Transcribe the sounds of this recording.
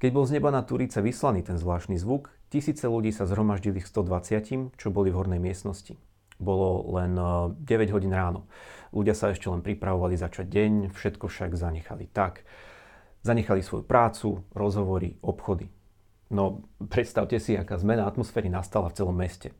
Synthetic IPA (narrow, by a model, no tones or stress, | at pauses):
kɛɟbɔlˠzɲɛbanat̪uɾit͡sɛʋislaniːt̪ɛnzʋlaːʃt̪nizʋukcisiːt͡sɛluɟiːsazɦɾɔmaʒɟilixst̪ɔd̪ʋat͡sɪacimt͡ʃɔbɔlivɦɔɾnɛjmɪɛst̪nɔsci | bɔlɔlɛnɟɛʋɛɟɦɔɟiːnɾaːnɔluɟɪasaɛʃcɛlɛnpɾipɾaʋɔʋalizat͡ʃaɟːɛɲfʃɛt̪kɔfʃaɡzaɲɛxalit̪ak | zaɲɛxalisʋɔ̰jupɾʔaːt͡suɾɔzɦɔʋɔɾḭɔpxɔd̪i | nɔpɾɛt̪st̪aʊcɛsiakaːzmɛnaat̪mɔsfɛːɾinast̪alaft͡sɛlɔmːɛscɛ